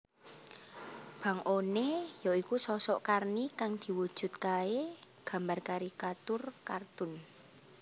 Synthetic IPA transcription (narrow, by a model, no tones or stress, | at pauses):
b̥ä̤ŋʔonejɔikusɔsɔʔkarnikaŋd̪̥i̤wud̥ʒ̥ṳt̪̚kae | ɡ̥a̤mbarkaɾikat̪ʊrkart̪ʊn